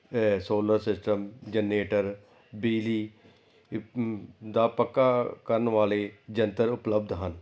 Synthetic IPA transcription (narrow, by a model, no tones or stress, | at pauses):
soːləɾsɪsʈəmd͡ʒəneːʈəɾ | biːliː | d̪aːpəkːaːkəɾənʋaːleːd͡ʒənt̪əɾʊpləb̚d̪ɦən